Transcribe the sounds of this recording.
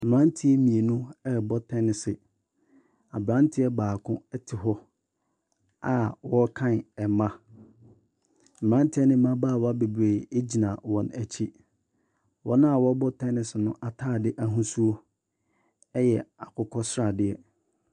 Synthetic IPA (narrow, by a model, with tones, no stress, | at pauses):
m̩˨mɾã˦n˦tʰɪ˦ɛ˦mĩ˨e˨nʊ̃˦ɛ˦˨bɔ˦tʰɛ̃˦nɪ˨sɪ˨ | a̰˨bɾã˦n˦tʰɪ˦ɛ˦baː˨kʰʊ̃˦ɛ˦tʰɪ˨ɦɔ˦ | a˦wɔ˦kʰã˦n˨ɛ˨mã˦ | m̩˨m˨ɾã˦n˦tʰɪ˦ɛ˦nɪ̃˦mã˦baː˦˨wa˦be˨bɾeː˨e˦d͡ʑi˨nã˨wɔ̃˨næ˨t͡ɕʰi˦ | wɔ˦nã˦a˨wɔ˦bɔ˦tʰɛ̃˦nɪ̃˨sɪ˨nʊ̃˦ʔa˨tʰaː˦˨dɪ˦ʔa˨ɦũ˦su˦o˦ | ɛ˦jɛ˨a˨kʰʊ˨kʰɔ˦sɾa˨dɪ˦ɛ˦